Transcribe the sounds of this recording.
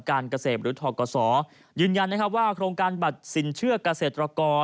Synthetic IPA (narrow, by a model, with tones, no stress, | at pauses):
kaː˧nka˧seː˨˩p̪̚ɾɯː˩˦t̪ʰɔː˨˩kɔː˧sɔː˩˦ | jɯː˧nja˧nːa˥kʰp̬̚waː˥˩kʰɾoː˧ŋkaː˧nba˨˩t̪̚si˩˦nt͡ɕʰɯ˥˩ɐka˧seː˨˩t̪ɾa˧kɔː˧